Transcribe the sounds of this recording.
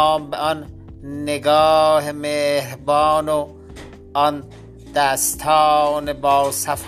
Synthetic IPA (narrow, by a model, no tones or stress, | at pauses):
mbeɔnː | eɡɔːɦemeɦbɑːno | ɔn | d̪̥ast̪ʰɑːnebɔːwsaf